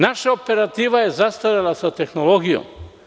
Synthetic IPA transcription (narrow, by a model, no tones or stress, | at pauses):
naʃaope̞ɾat̪iːʋajezast̪ajalasat̪exnolo̞ɡijo̰m